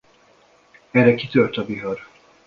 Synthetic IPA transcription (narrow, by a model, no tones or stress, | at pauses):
ɛrɛkit̪ørt̪ɒbiɦɒɾ